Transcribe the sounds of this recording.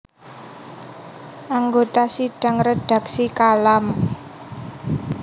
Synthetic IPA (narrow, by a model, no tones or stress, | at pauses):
ʔaŋɡot̪asiɖ̥ä̤ŋred̥a̤ksikalam